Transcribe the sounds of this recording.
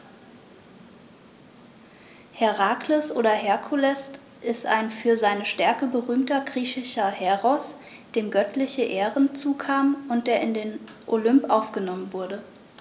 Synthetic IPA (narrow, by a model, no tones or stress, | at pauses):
hɛʁaːkləsʔoːɾɐɦɛɐkʰulɛst | ʔɪstʔa̰ɪnfyːɐzaɪnəʃtɛɐkəbəʁyːmtɐɡʁiːçɪʃɐhɛʁɔs | d̥eːmɡœtʰlɪçəʔeːʁənt͡suːkʰaːmʊnt̚d̥eːɐɪndeːnʔolʏmpʔaʊfɡ̥ənɔmənvʊɐdə